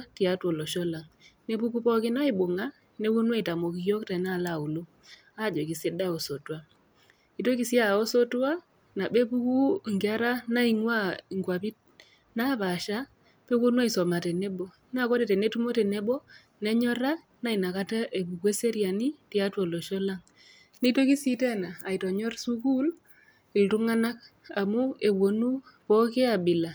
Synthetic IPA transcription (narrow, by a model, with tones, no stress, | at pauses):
ti˨a˦twɔ˨lɔ˨ʃɔ˦la˨ŋne˦bu˦ku˦pɔ˦kɪ˦na˦i˨bo˨ŋa˦ | ne˦ku˦nwa˦i˨ta˨mo˨ki˨jɔ˦ktɛ˨na˦˨la˨u˨lo˦ | a˦˨d͡ʒɔ˨ki˨se˦da˦o˨so˨twa˦ | i˨to˦ki˨si˦a˦˨o˦so˦twa˦ | na˨be˦bu˦ku˦˨ŋɡa˦ɾa˦na˦i˨ŋwa˦˨ŋɡwa˨pi˦t̚ | na˦ba˨ʃa˦ | pe˦ko˦nu˦a˦i˨so˨ma˨te˨ne˦bo˨ | na˦˨ko˦de˨te˨ne˦tu˦mo˦te˨ne˦bɔ˦ | ne˦ɲɔ˦ɾa˦ | na˦i˨na˨ka˦ta˦ʔe˨bu˨ɡwe˦se˦ɾja˨ni˦ti˦a˦two˨lo˨ʃo˦la˦ŋ | ni˦to˦ki˦si˦te˦naː˨i˨to˨ɲɔ˦rsu˦ku˦l | i˨ltu˦ŋa˦na˦k | a˨mu˦e˨bo˨nu˦ | pɔ˦ke˦a˨bi˨la˨